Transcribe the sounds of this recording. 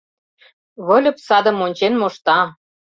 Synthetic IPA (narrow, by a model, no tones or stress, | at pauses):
βɤ̆lʲɤ̆psɑd̪ə̆monʲt͡ɕenmoʃt̪ɑ